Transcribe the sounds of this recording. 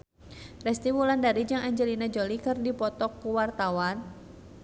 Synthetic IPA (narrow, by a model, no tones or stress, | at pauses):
rɛst̪imulandaɾid͡ʒaŋaɲd͡ʒɛlinad͡ʒɔlikɨrdipɔt̪ɔk̚puwart̪awan